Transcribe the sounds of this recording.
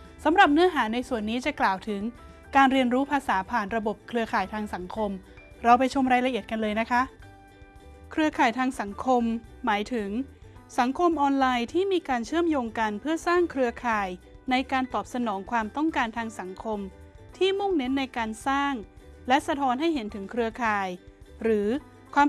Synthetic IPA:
sa˩˦mɾa˨˩p̚nɯ˦˥ɐɦaː˩˦na˧jsu˨˩ənːiː˦˥t͡ɕa˨˩klaː˨˩wt̪ʰɯ˩˦ŋ | kaː˧nɾi˧ənɾuː˦˥pʰaː˧saː˩˦pʰaː˨˩nɾa˧bo˨˩p̚kʰɾɯ˧ɐkʰaː˨˩jt̪ʰaː˧ŋsa˩˦ŋkʰo˧mɾa˧wpa˧jt͡ɕʰo˧mɾaː˧jla˧ʔi˨˩ət̪̚ka˧nlɤː˧jna˦˥kʰa˦˥ʔ | kʰɾɯ˧ɐkʰaː˨˩jt̪ʰaː˧ŋsa˩˦ŋkʰo˧mːaː˩˦jt̪ʰɯ˨˩˦ŋsa˩˦ŋkʰo˧mʔɔː˧nlaː˧jt̪ʰiː˥˩miː˧kaː˧nt͡ɕʰɯ˥˩əmjoː˧ŋka˧npʰɯ˥˩ɐsaː˥˩ŋkʰɾɯ˧ɐkʰaː˨˩j | na˧jkaː˧nt̪ɔː˨˩p̚sa˧nɔː˩˦ŋkʰwaː˧mt̪ɔ˥˩ŋkaː˧nt̪ʰaː˧ŋsa˩˦ŋkʰo˧m | t̪ʰiː˥˩mu˥˩ŋne˦˥nːa˧jkaː˧nsaː˥˩ŋlɛ˦˥ʔsa˧t̪ʰɔː˦˥nɦa˥˩jɦe˩˦nt̪ʰɯ˩˦ŋkʰɾɯ˧ɐkʰaː˨˩jɾɯː˩˦ | kʰwaː˧m

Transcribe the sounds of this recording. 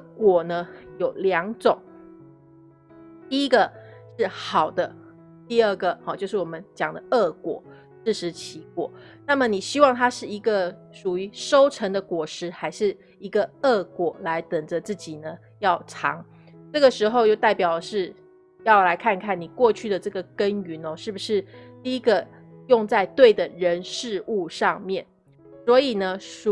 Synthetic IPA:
kwɔ˨˩nə˦jo˨˩ʊljɑ˧˥ŋʈ͡ʂʊ˨˩˦ŋ | t̪i˥˧i˥ɡə˨ʂɻ̩˥˩xɑ˨˩ʊd̪ə˦ | t̪i˥˧ə˥˩ɡə˩xɑ˨˩t͡ɕjʊʂɻ̩˥˩wɔ˨˩mə˦nt͡ɕjɑ˨˩ŋd̪ə˦ʔə˥˩kwɔ̰˨˩˦ | ʂɻ̩˥˩ʂɻ̩˧˥t͡ɕʰi˧˥kwɔ̰˨˩˦ | na˥˩mə˨ni˨˩ɕi˥wɑ˥˩ŋt̪ʰa˥ʂɻ̩˥˩i˧˥ɡə˨ | ʂu˨˩y˧˥ʂo˥ʊʈ͡ʂʰə˧˥ŋd̪ə˨kwɔ˨˩ʂɻ̩˧˥xa˧˥ɪʂɻ̩˥˩ | i˧˥ɡə˧ə˥˩kwɔ˨˩la˧˥ɪt̪ə˨˩ŋd͡ʒə˦t͡sɹ̩˥˩t͡ɕi˨˩nə˦ | jɑ˥˩ʊʈ͡ʂʰɑ̰˧˥ŋ | ʈ͡ʂɤ˥˩ɡə˩ʂɻ̩˧˥xo˥˧ʊjo˥˧ʊt̪a˥˩ɪpjɑ˨˩ʊd̪ə˦ʂɻ̩˥˩ | jɑ˥˩ʊla˧˥ɪkʰa˥˧nkʰa˥˩ni˨˩kwɔ˥˧t͡ɕʰy˥˩d̪ə˩ʈ͡ʂɤ˥˩ɡə˩kə˦˥ny˧˥nɔ˧ʂɻ̩˥˩bu˩ʂɻ̩˥˧t̪i˥˧i˦˥ɡə˧ | jʊ˥˧ŋt͡sa˥˧ɪt̪we˥˩ɪd̪ə˩ɻə˧˦˥nʂɻ̩˥˧u˥˧ʂɑ˥˧ŋmjɛ˥˩n | swɔ˧˥i˨˩nə˦˨˩

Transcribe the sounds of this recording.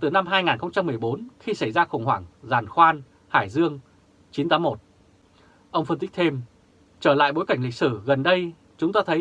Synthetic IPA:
t̪ɨ˨˩na˧mɦaː˧jŋaː˨˩nxə˧wŋ͡mt͡ɕa˧mːɨ˨˩əjɓo˨˦nxi˧sa˧˩jzaː˧xʊ˧˩wŋ͡mhwaː˧˩ŋzaː˨˩nxwaː˧n | haː˧˩jzɨ˧əŋ | t͡ɕi˨˦nt̪aː˨˦mo˨˩t̚ | ʔə˧wŋ͡mfə˧nt̪i˦˥t̪ʰe˧m | t͡ɕəː˧˩la̰ː˧˨jɓo˨˦jka˧˩jŋ̟lï˨˩k̚sɨ˧˩ɣə˨˩nɗə˧j | t͡ɕʊ˨˦ŋ͡mt̪aː˧t̪ʰə˨˦j

